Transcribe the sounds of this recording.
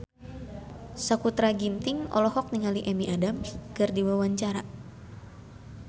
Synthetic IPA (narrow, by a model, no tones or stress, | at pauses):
sakut̪ɾaɡint̪iŋɔ̰lɔhɔk̚niŋaliʔɛmiʔadamkɨrdiwawaɲt͡ʃaɾa